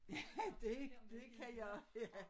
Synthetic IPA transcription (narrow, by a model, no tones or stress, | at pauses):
jæd̥ed̥ekʰæjɑjæ